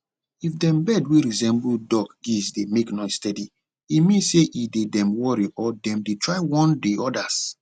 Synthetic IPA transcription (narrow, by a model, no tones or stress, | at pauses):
ifdɛ̃mbɛdwiɹizɛ̃mbudɔɡɡisdemeknɔɪstɛdi | imĩnseʔidedɛ̃mwɔɹiʔɔdɛ̃mdetʰɹaɪwɔ̃ndeɔdas